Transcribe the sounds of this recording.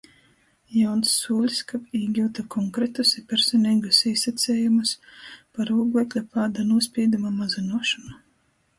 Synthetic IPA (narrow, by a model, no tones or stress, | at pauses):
jawnsːuːlʲskapiːɡʲuwt̪akʰɔŋkɾet̪usipʲɛɾsɔnʲiːɡusiːsat̪sʲɛːjumuspaɾuːɡlɛkʲlʲapaːd̪anuɔsʲpʲiːd̪umamazinuɔʃɔna